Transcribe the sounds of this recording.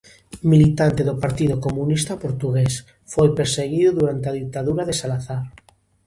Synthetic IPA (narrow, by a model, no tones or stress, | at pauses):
milit̪ant̪eðopaɾt̪iðokomũnist̪apoɾt̪uɣes | fojpeɾseɣiðʊðuɾant̪eaðik̚t̪aðuɾaðesalaθaɾ